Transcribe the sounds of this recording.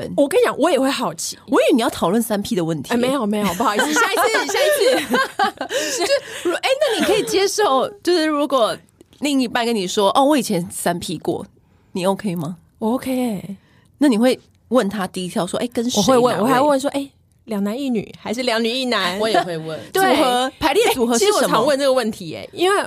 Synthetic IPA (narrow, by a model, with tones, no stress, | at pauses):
nwɔ˨˩kə˥njɑ˨˩˦ŋwɔ˧˦jɛ˨˩xwe˥˩ɪxɑ˨˩ʊt͡ɕʰi˨wɔ˧˥y˧˥ni˨˩jɑ˥˩ʊt̪ʰɑ˨˩ʊwə˥˩nsa˥˦npʰi˥d̪ə˨wə˥˩nt̪ʰme˧˦ɪjo˨˩me˧˥ɪo˨p̬u˥ɑ˨˩i˨˩ɕa˥˧˨ɕja˥˧i˥˩˥ | ɻu˧˥e˥˩ɪna˥˩ni˨˩kʰɤ˧˥i˨˩t͡ɕjɛ˥ʂo˥˩ʊt͡ɕjo˥˧ʊʂɻ̩˥˩ɻu˧˥kwɔ˨˩ | li˥˧ŋi˧˥˩pa˥˧nkə˦ni˨˩ʂwɔ˥ʔɔ˥˧˨wɔ˧˩i˨˩t͡ɕʰjɛ˧˦˥nsa˦npʰi˥kwɔ̰˥˩ | ni˨˩o˧˩ʊkʰe˧˥i˨˩ma˨ | o˧˩ʊkʰe˥ɪ | na˥˩ni˨˩xwe˥˧ɪ | wə˥˩nt̪ʰa˥t̪i˥˧i˧˥t̪ʰjɑ˥˧ʊʂwɔ̰˥ʔḛ˥˩ɪkə˦nʂwɔ˨˩xwe˥˧ɪwə˥˨nwɔ˨˩a˧˥xwe˥˧wə˥˨nʂ̬wɔ˥ʔe˥˩ɪ | ljɑ˨˩ŋna˧˦ni˥˩ny̰˨˩xa˧˥ɪʂ̬ɻ̩˥˩ljɑ˧˥ŋny˨˩i˥˩na˧˥˦nwɔ˧˦jxwe˥˧ɪwə˥˨˩nt̪we˥˨˩xɤ˧˦pʰa˧˥ɪljɛ˥˩t͡su˨˩xɤ˧˦ʂ̩˥˨wɔ˨ə˨˦˩ɑm˧˦wə˥˧nə˥˩ɡə˨wə˥˩nt̪ʰi˧˥ḛ˨˦i˥nwe˥˩ɪ